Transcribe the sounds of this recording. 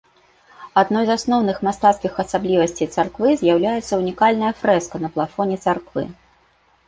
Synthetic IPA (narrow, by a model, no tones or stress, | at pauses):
ad̪nɔjzasnɔwnɨxmast̪at̪skʲixɐsablʲivɐsʲt͡sʲejt̪sarkvɨzʲjawlʲajɛt̪sːɐunʲikalʲnɐjɐfɾɛskɐnɐplˠafɔnʲɛt̪sarkvɨ̰